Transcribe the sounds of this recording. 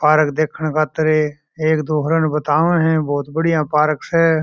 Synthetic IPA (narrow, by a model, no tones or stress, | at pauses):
paːɾəkd̪eːkʰəɳ̃kʰat̪əɾeː | eːkd̪oːɦɾənbət̪aːʋnɦɛ̃ːbɔːt̪bəɽɪjãːpaːɾəksɛː